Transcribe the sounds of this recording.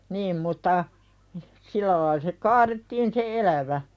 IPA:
niːm mutːɑ silˑæ lɑil se kɑːretːiːn se elæʋæ

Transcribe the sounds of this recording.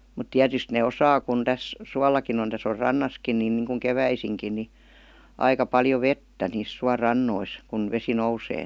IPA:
mut tiætyst neˑ osɑː kun tæs suɑlːɑkin on tæs or rɑnːɑskin nin niŋkuŋ keʋæisiŋkin ni ɑikɑ pɑljo ʋetːæ niːs suɑrɑnːois kun ʋesi nouseː

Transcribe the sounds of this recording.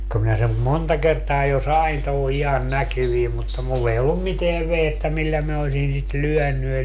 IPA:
ko minæ sem montɑ kertɑː jo sɑin toho ihɑn nækyʋiːm mutːɑ mulː ei olːum miteæʋ ʋehetːæ milːæ min osin sit lyœˑny

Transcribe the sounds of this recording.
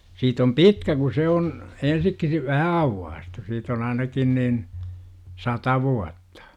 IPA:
siːt om pitkæ ku se on ensik si ʋæhæ ɑuwːɑːstu siːt on ɑinɑkin niːn sɑtɑ ʋuɑtːɑ̥

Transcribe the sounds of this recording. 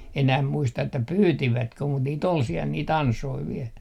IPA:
enæh muistɑ etːæ pyːtiʋætkø mut niːt ol siɛl niːt ɑnsoi ʋiɛl

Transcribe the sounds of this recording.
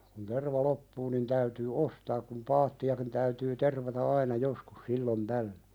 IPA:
kun terʋɑ lopːuː nin tæytyː ostɑːk kum pɑːtːiɑkin tæytyː terʋɑtɑ ɑinɑ joskus silːon tælːø

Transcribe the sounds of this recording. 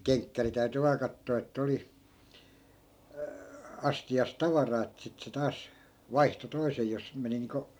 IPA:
keŋkːæri tæy̞ty ʋɑː kɑtːoː etːæ̆ oli ɑstiɑs tɑʋɑrɑː etːæ sit se tɑːs ʋɑihto toisej jos meni niːŋko

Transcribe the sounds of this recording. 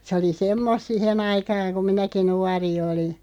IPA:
se oli semːost sihen ɑikɑːŋ ku minæki nuɑri oli

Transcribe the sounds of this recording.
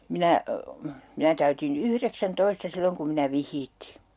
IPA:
minæ minæ tæytin yhreksæntoistɑ silːoŋ kum minæ ʋihˑiːtːiː

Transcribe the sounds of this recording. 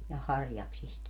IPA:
jɑ hɑrjɑksist

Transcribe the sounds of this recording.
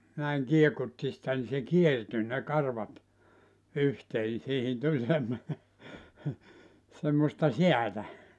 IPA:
næiŋ kiekutːi sĭtæ ni se kierty ne kɑrʋɑt yhteː ni siːhin tulʲ semːone semːostɑ siætæ

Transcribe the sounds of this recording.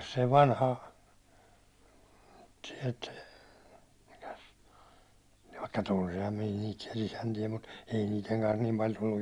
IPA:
se ʋɑnhɑ siɛlt mikæs ʋɑikːɑ tunsihɑm min̥æ̥ niːt siɛlː isæntie mut ei niːteŋ kɑns niːm pɑlʲ tulːuj

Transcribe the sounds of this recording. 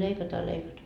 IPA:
leikɑtɑ jɑ leikɑtɑ

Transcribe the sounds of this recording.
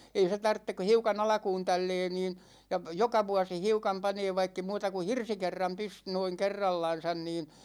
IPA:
ei se tɑrtːek ku̞ hiukɑn ɑlɑ̆kuːn tælːɛː niːn jɑ p jokɑ ʋuɑsi hiukɑm pɑneː ʋɑikːe muːtɑ ku hirsikerːɑm pys noiŋ kerːɑlːɑn̞sɑn nin

